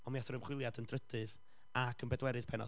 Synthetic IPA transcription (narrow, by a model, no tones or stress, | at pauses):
ɔmiatɔɾəmχwɪlˠjadəndrədɨð | akʰənbɛdwɛɾɨð̥pʰɛnɔ̰